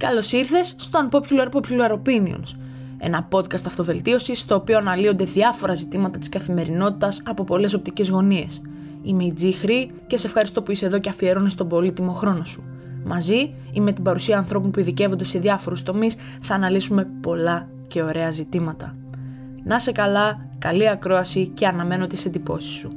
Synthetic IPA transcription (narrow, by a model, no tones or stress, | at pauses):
kɐlo̞siɾθe̞sːt̪o̞ɐnpo̞pçuluɐɾpopçulɐɾo̞pinio̰ns | e̞̰nɐpo̞t̪kɐst̪ɐft̪o̞ve̞lt̪io̞sist̪o̞ːpio̞ɐnɐlio̞nd̪e̞ðɐfo̞ɾɐzit̪imɐt̪ɐt̪i̥skɐθime̞ɾino̞t̪it̪ɐsɐpo̞po̞le̞so̞p̚t̪ice̞zɣo̞nie̞̰s | imeid͡zixɾi | cesee̞fxɐɾist̪o̞puise̞ðo̞ceɐfie̞ɾonist̪o̞bo̞lit̪imoxɾo̞no̞su̥ | mʔɐzi | ime̞t̪ibɐɾusiɐːnθɾo̞punpuiðice̞vond̪e̞se̞ðjɐfo̞ɾust̪o̞mis | θɐːnɐlisume̞po̞lɐ | ce̞o̞ɾe̞ɐzit̪imɐt̪ɐ | nɐse̞kɐlɐ | kɐliɐkɾo̞ɐsice̞ɐnɐme̞no̞t̪ise̞nd̪ipo̞si̥su